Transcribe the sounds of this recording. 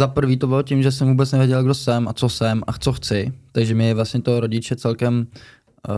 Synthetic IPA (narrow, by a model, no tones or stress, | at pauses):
zapr̩viːt̪o̞bɪlocɪmʒɛs̬ɛmvuːbɛt͡snɛvɪɛɟɛlɡdo̞sɛmat͡sosɛmʔat͡so̞xt͡sɪt̪aɡʒɛmɪvlasɲɛt̪o̞ɾo̞ɟɪt͡ʃɛt͡sɛlkɛm